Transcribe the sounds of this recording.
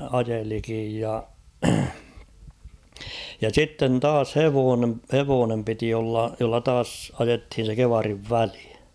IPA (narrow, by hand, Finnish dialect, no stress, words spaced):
ɑjelikij jɑ jɑ sitːen tɑːs heʋoːne heʋoːnem piti olːɑ jolːɑ tɑːs ɑjethin̞ se keʋɑriʋ ʋæli